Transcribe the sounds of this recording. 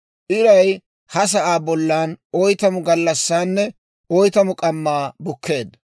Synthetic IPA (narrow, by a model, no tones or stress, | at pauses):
ʔɪɾɐj | hɐs̬ɐʔaːbɔlːaːnɔjt̪ɐmʊɡɐlːɐsːaːnːɛ | ɔjt̪ɐmʊkʼɐmːaːbʊkʰːe̞ːd̪ɐ